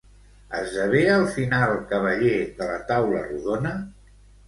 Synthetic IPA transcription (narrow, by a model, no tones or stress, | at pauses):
əzəβ̞eəlˠfinalˠkəβəʎeðələt̪awlə̰ruðonə